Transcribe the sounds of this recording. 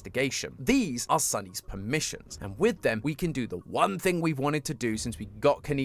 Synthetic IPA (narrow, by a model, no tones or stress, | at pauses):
tɨɡeɪʃə̰̃nðizəsʌniz̥pʰəmɪʃə̰̃nz̥ʔə̰̃nwɪðɨ̃mwikʰɨ̃ndɨðəwʌ̃nθɪ̃ŋwivwɒ̃ñtɨd̚tʰɨdɨsɪ̃nswiɡɒʔ̚kʰɨni